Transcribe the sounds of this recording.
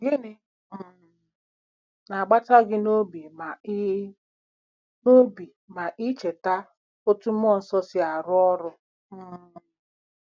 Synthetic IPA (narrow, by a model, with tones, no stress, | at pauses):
ɡɪ˦nɪ˦˨ | na˨ɡ͡ba˦ta˦ɡɪ˦no˦bi˨ma˨˦ | no˦bi˨ | ma˨ʔi˦t͡ʃe˨ta˦ | o˦tu˦m̩˦ɔ˦˨n̩˦sɔ˦sɪ˦a˨ɾʊ˦ɔ˦ɾʊ˦˨